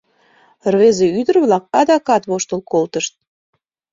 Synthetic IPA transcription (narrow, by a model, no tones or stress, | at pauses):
rβezeyd̪ərβlɑk̚ɑd̪ɑkɑt̪βoʃt̪əlkolt̪əʃt̪̚